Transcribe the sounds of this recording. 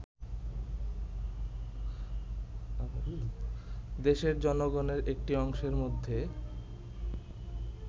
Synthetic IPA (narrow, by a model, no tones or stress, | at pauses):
d̪eʃeɾd͡ʑɔnoɡoneɾek̚ʈiɔŋʃeɾmod̪ʱːe